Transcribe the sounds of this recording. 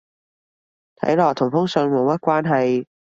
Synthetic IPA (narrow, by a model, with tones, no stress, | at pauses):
t̪ʰɐ̰˨˥jlɔː˨˩t̪ʰʊ˨˩ŋfʊ˥ŋsœ˨˧ŋmo˨˧wmɐ˥t̚kʷaː˥nɦɐ˨˧j